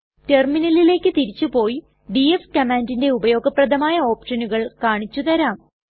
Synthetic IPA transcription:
te̞rminɐlile̞ːkːɨt̪iɾit͡ɕːupo̞ːji | ɖiefkɐmaːndinde̞ubɐjo̞ːɡɐprɐd̪ɐmaːjɐo̞ːpʂɐnuɣɐɭkaːɳit͡ɕːut̪ɐɾaːm

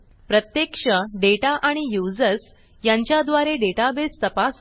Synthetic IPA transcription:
pɾət̪jekʂəɖeʈaʔaɽ̃ijud͡zəs | jaɲt͡ɕjad̪ʋaɾeɖeʈabest̪əpas

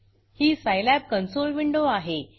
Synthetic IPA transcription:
hiːsajlæp̚kənsolʋiɳɖoaɦe

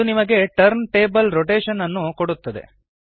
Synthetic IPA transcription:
unimɐɡe̞ʈɐɾnʈe̞ːbɐlɾoʈeːʂɐnɐnːukoɽut̪ːɐd̪e̞̰

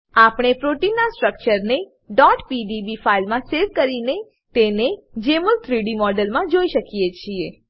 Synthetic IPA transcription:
apɳ̃epɾoʈinasʈɾək̚t͡ʃəɾne | ɖɔʈpiɖibifailmãseɾʋkəɾine | t̪ened͡ʒeməlt̪ʰɾiɖimɔɖəlmãd͡ʒoiʃəkijet͡ʃʰie

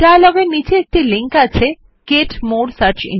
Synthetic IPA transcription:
ʈalɔɡenid͡ʑeek̚ʈiliŋkat͡ɕʰe | keʈmoɾsaɾt͡ɕḭ

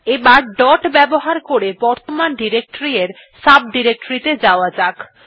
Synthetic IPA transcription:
ebaɾɖɔʈbɛboɦaɾkoɾebɔɾt̪omanɖiɾek̚ʈoɾieɾ | sab̚ɖiɾek̚ʈoɾit̪ed͡ʑaoad͡ʑak

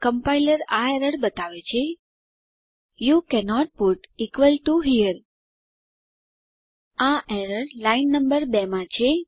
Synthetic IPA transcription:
kə̃mpajləɾaeɾəɽbət̪aʋet͡ʃʰe | jukɛnɔʈ̚puʈikʋəlʈuɦiəɾ | ãʔɛɾəɽlaɪnːə̃mbəɾbɛmãt͡ʃʰe

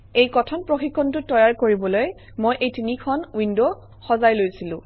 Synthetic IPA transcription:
ejkɔtʰɔnpɹoxikʰːɔntʊtɔjaɹkoɹibɔloj | mojʔejtinikʰɔnwindo | xɔzajlojsilʊ̰̃

